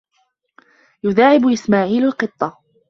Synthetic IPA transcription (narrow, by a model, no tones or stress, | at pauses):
jʊðaːʕɪbʔɪsmaːʕiːlalqɨt̪ˤːɑ